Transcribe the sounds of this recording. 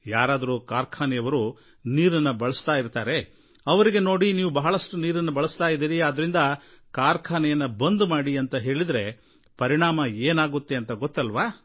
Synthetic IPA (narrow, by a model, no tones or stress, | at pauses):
jaːɾaːd̪ɐɾukaːɾkʰaːnɛjɐʋɐɾu | niːɾɐnːɐbɐɭɐst̪aːjiɾt̪aːɾe̞ | ɐʋɐɾiɡe̞no̞ːɽiniːʋubɐɦɐɭɐʂʈuniːɾɐnːɐbɐɭɐst̪aːjid̪iːɾiaːd̪ɐɾind̪ɐ | kaːɾkʰaːnɛjɐnːɐbɐnd̪umaːɽiɐnt̪ɐɦe̞ːɭid̪ɐɾe̞ | pɐɾiɳaːmɐeːnaːɡut̪ːe̞ɐnt̪ɐɡɔt̪ːɐlʋaː